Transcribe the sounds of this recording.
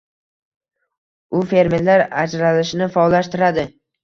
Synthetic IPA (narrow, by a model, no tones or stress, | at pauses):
ʊfe̞ɾmeɾlaɾad͡ʒɾalɪʃɪnɪfɒlːaʃt̪ɪɾad̪ɪ